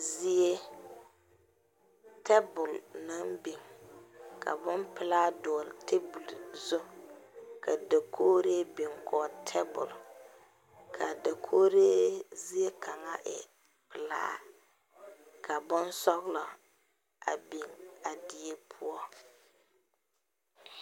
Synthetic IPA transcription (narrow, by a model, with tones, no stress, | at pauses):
zi˦e˦ | tʰɛ˦bʊ˨lna˦mbi˨ŋ | kʰa̰˨bʊ˦npɪ˨laː˦dɔ˨ltʰe˦bu˨lzʊ˦ | kʰa˨da˨kʰoː˦ɾe˦bi˨ŋkʰɔː˨tʰɛ˦bʊ̰˨l | kʰa˨da˨kʰoː˦ɾe˦zi˦e˦kʰa˨ŋa˦ʔɛ̰˨ | pɪ˨la̰ː˦ | kʰa˨bʊ˦nsɔ˦ɣlɔ˨ | a˨bi˨ŋa˨dɪ˨e˦pʰʊ˦ɔ˦